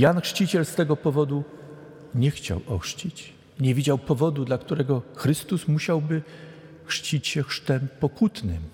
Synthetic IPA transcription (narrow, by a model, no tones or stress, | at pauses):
janxʂt͡ɕit͡ɕɛlst̪ɛɡɔpɔvɔd̪u | ɲɛxt͡ɕa̰wɔ̰xʂt͡ɕit͡ɕ | ɲɛvʲid͡ʑawpɔvɔd̪ud̪lakt̪uɾɛɡɔxɾɘst̪usmuɕawbɘ | xʂt͡ɕit͡ɕɕɛxʂt̪ɛmpɔkut̪nɘ̰m